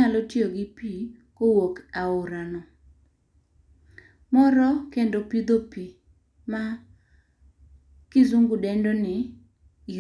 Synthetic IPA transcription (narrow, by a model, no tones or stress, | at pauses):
alɔtjoɡɪpikowokaʊɾanɔ | mɔɾɔkendopid̪opi | ma | kɪzuŋɡʊdɛndɔnɪ | i